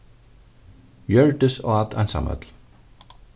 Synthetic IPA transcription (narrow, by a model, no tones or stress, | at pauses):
jœɹʈəso̰ːɑt̪ʰɑ̰nsɑ̰mœ̰t̪l̩